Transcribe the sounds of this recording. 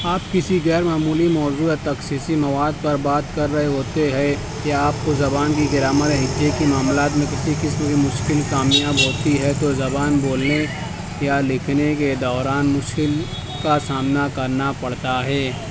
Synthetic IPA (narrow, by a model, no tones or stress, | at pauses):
aːpkɪsiɣɛːɾmaːmuːlimɔːzuːjat̪ɐksisimɐʋaːd̪̚pɐɾbaːt̪kɐɾːɐɦeɦoːt̪eɦɛ | kiaːp̚kozɐbaːnkiɡɪɾaːmət̪ẽɦɪd̪jekimaːmlaːt̪mẽkɪsikɪsbɡimʊʃkɪlkaːmijãbʱoːt̪iɦɛt̪ozɐbaːnboːlne | jalɪkʰneked̪ɔːɾaːnmʊʃkɪl | kasaːmnakɐɾnapɐɽ̤t̪aɦɛː